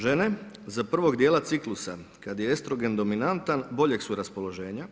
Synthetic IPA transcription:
ʒe̞ne | zapr̩ʋo̞ɡd̪jeːlˠat̪siklˠusakad̪jeest̪ɾo̞ɡe̞nd̪o̞minant̪anbo̞ʎeksuɾaspo̞lˠo̞ʒe̞ːɲa

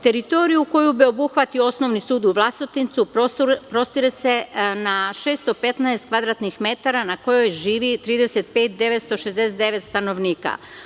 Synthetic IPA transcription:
t̪e̞ɾit̪o̞ɾijuko̞jubio̞buxʋat̪ioo̞sno̞ʋnisuːd̪uʋlˠast̪it̪int̪suppɾo̞st̪iɾesenaʃe̞ːst̪ope̞t̪naest̪kʋad̪ɾat̪nixme̞t̪aɾanako̞jo̞jʒiːʋit̪ɾiːd̪eset̪̚pe̞ːt̪̚d̪e̞ʋet̪st̪o̞ʃezd̪eset̪d̪e̞ʋe̞t̪st̪ano̞ʋniːka̰

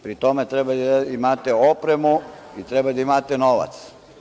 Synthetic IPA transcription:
pɾit̪omet̪ɾebaimat̪eopɾemuit̪ɾebad̪aimat̪enoʋa̰t̪s

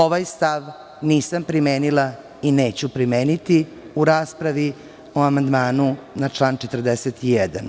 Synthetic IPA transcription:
oʋajst̪aʋ | niːsampɾimeːnila | ineːt͡ɕupɾimeːnit̪i | uɾaːspɾaʋi | oamand̪maːnunat͡ʂlˠaːnt͡ʃet̪r̩d̪eset̪ijɛd̪a̰n

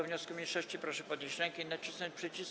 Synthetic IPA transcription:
ɔvɲɔskumʲjejʂɔɕt͡ɕipɾɔʂɛpɔd̪ɲeɕt͡ɕɾɛŋkɛinat͡ɕisnɔɲt͡ɕpʂɛt͡ɕis

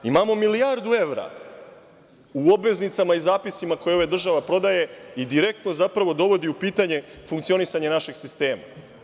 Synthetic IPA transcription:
imamo̞milijaɾd̪ue̞ʋɾa̰ | uobʋe̞znit̪samaizaːpisimako̞jeoad̪r̩ʒaʋapɾo̞d̪aje̞id̪iɾe̞k̚t̪no̞zapɾaʋo̞d̪o̞ʋo̞d̪iupiːt̪aɲe̞fuŋkt̪sio̞nisaɲenaʃe̞ɡsist̪e̞ːma̰

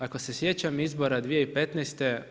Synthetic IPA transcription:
ako̞se̞sje̞t͡ɕamizbo̞ɾad̪ʋijeipet̪nɛst̪e̞

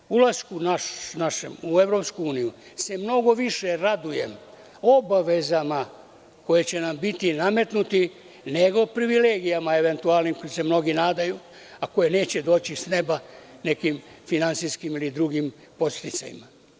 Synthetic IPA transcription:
ulaskunaʃnaʃḛmue̞vɾo̞pskuuːnijuse̞mno̞ɡo̞ʋiʃeɾad̪uje̞̰m | obaʋe̞zama | ko̞je̞t͡ɕe̞nambit̪iname̞t̪nut̪i | neɡo̞pɾiʋileːɡijamaeʋe̞nt̪ualnimkojise̞mno̞ɡinaːd̪aju | ako̞jene̞ːt͡ɕe̞d̪o̞ːt͡ɕisne̞bane̞kimfinant̪siskimilid̪ɾuɡim | po̞st̪it̪sa̰jḭma

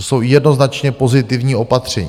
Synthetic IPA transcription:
so̞wjɛdno̞znat͡ʃɲɛpo̞zɪt̪ɪvɲiːo̞pat̪r̝̥ɛɲː

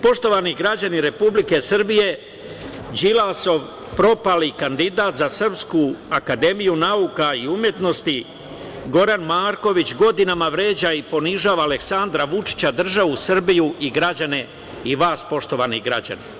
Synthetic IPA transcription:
po̞ʃt̪o̞ʋaniɡɾad͡ʑaniɾe̞publike̞sr̩bije̞ | d͡ʒilaso̞ʋ | pɾo̞palikand̪id̪aːt̪zasr̩pskuakad̪e̞mijunaukaiumje̞t̪no̞st̪i | ɡo̞ɾanmaːɾko̞ʋit͡ɕɡo̞d̪inamaʋɾe̞ːd͡ʑaipo̞niʒaːʋaːle̞ksand̪ɾaʋut͡ʃi̥t͡ɕad̪r̩ʒaʋusr̩bijuʔiɡɾad͡ʑane̞ | iʋaːspo̞ʃt̪o̞ʋaniɡɾa̰d͡ʑa̰ni

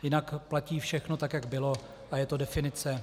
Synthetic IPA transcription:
jɪnakplaciːfʃɛxno̞t̪akjaɡbɪlo̞ | ʔajɛt̪o̞dɛfɪnɪt͡sɛ

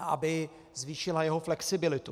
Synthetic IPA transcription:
ʔa̰bɪ | zviːʃɪlajɛɦoflɛksɪbɪlɪt̪u

